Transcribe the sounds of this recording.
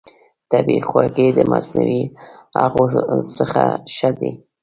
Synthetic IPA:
t̪abixwaɡed̪əmasnawiaɣosəxaʃad̪e

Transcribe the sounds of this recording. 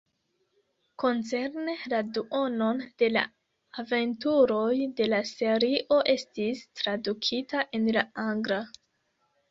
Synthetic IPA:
ko̞nt͡se̞ɾne̞laduo̞no̞nd̥e̞la̰ː | ve̞ntuɾo̞jde̞lase̞ɾiʔo̞ʔe̞stistɾadukʰitaʔe̞nlaaŋɡɾa

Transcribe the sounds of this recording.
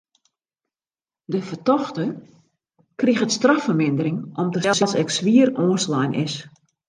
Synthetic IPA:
dəfərtɔxtə | krixətstrafərmɪndəɾɪŋʔɔmtəɛslˠsɛksʋiərɔːnslɛjnʔɪ̰s

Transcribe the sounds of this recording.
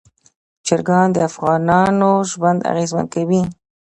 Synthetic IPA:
t͡ʃɪɾɡɑnd̪əafɣɑnɑnoʒwand̪a̰ɣezma̰nd̪̚kawi

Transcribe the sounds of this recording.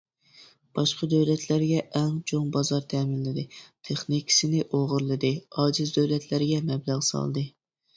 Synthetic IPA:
b̥ɑʃqɑd̪øwlɛt̪ʰlæɾɡʲɛʔɛŋt͡ʃʰoŋbɑzɑɾt̪ʰɛːmɪnlɪd̪ɪt̪ʰeχnikʲʰi̥sɪnɪʔoʁʊɾlˠɨd̪ɨɑːd͡ʒɨzd̪øwlɛt̪ʰlæɾɪɡʲɛmɛblæʁsɑ̰lˠd̪ɨ

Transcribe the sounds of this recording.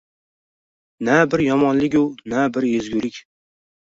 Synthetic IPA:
næbɪɾjɒmɒnlɪkʲʊnæbɪɾjezɡʲʊlɪkʲ

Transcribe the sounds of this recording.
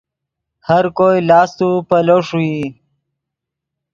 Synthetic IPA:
həɾkojlɑːst̪upəloʂui

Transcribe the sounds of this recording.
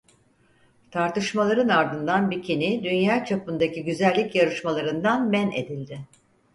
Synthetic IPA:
t̪ʰaɾt̪ɯʃmalˠaɾɯnaɾd̪ɯnd̪anbicʰinid̪ynjaːt͡ʃʰapɯnd̪aciɟyzælʲːicjaɾɯʃmalˠaɾɯnd̪anmæne̞̰d̪ilʲd̪ɪ

